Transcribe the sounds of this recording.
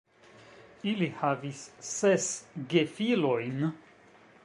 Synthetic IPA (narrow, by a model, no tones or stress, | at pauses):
ilihavisːesɡefilojn